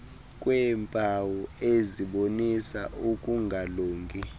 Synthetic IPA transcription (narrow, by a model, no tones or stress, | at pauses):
kʼwɛmpʼawɔeziɓonisaukʼuŋɡʱaloːŋkʼi